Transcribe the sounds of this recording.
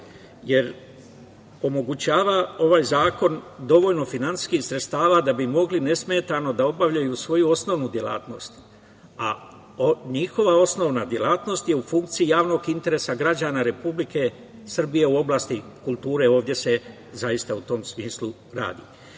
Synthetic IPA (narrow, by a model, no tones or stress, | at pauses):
je̞ɾ | o̞mo̞ɡut͡ɕaːʋao̞ʋaːjzaːko̞nd̪o̞ʋo̞ʎno̞finant̪i̥skixsɾet̪st̪aːʋad̪abimo̞ɡline̞sme̞ːt̪ano̞d̪ao̞baʋʎajusʋo̞juo̞sno̞ʋnud̪je̞la̰ːt̪no̞st̪ | a | ɲixo̞ʋao̞sno̞ʋnad̪je̞laːt̪no̞st̪je̞ufuŋk̚t̪siijaːʋno̞ɡint̪e̞ɾe̞ːsaɡɾad͡ʑaːnaɾe̞publike̞ | sr̩bije̞uo̞blˠaːst̪ikulˠt̪uːɾe̞o̞ːʋd̪je̞se̞ | zajist̪aut̪o̞ːmsmiːslu | ɾa̰ːd̪ḭ